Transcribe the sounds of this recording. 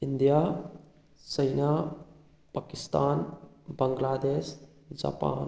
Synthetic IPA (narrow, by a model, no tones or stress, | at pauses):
ind̪ija | səjna | pakist̪aːnbəŋɡlaːd̪eːs | d͡ʒa̰ːpa̰ːn